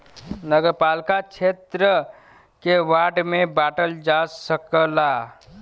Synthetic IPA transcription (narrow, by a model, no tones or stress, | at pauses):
nəɡəɾpalkat͡ʃʰet̪ɾə | kewaʈmebaʈəld͡ʒasəkəla